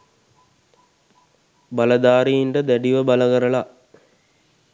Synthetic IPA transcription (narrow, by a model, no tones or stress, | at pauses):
baləd̪aːɾijiɳʈəd̪æɖiʋəbaləɡəɾəla